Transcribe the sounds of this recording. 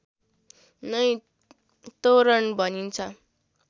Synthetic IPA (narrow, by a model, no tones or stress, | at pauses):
nʌj | t̪oɾʌnbʱʌnint͡sʰʌ